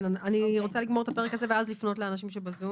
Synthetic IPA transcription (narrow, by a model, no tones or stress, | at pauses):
naaniʁo̞t͡saliɡmoet̪ape̞ʁekazeveazlifno̞tleanaʃimʃebazu